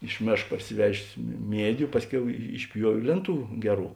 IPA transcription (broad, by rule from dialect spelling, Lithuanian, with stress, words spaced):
ɪʃ ˈmʲeːʃk pɐrʲsʲɪˈʋʲæːʒʲeːs mʲɪ ˈmʲiɛdʲʊ ˈpɑːsʲˌkʲɛʊ ɪʃʲˈpʲjuɔʋʲeː ˈlʲeːnˌtuː ˈɡʲæːˌruː